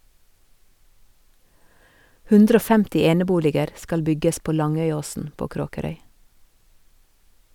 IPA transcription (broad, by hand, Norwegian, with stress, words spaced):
ˈhʉndɾə ˈoː ˈfɛmtɪ ˈeːnəˌbuːlɪɡəɾ ˈskɑl ˈbʏɡəs ˈpoː ˈlɑŋœʏˌoːsn̩ ˈpoː ˈkɾoːkəɾœʏ